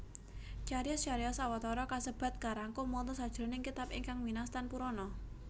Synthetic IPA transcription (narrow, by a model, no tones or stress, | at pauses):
t͡ʃaɾiɔsaɾiɔsawat̪ɔɾɔkasəb̥a̤t̪̚kaɾaŋkʊmɔnt̪ɔsad̥ʒ̥ɾo̤nɪŋkit̪apɪŋkaŋminast̪anpuɾɔnɔ